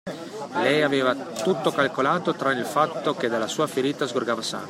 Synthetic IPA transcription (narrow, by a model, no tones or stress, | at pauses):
lɛjaveːvat̪ut̪ːokalkolaːt̪ot̪ɾanilfat̪ːoked̪alasuːafeɾiːt̪azɡorɡaːvasa̰ː